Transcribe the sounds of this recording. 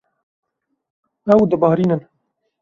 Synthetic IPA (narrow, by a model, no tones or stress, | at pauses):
ɛwd̪əbɑːɾiːnən